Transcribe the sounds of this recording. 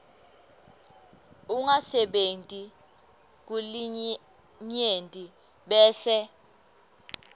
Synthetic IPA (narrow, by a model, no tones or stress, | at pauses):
uŋasɛɓentʼi | k̬uli | ɲentʼi | ɓɛːsɛ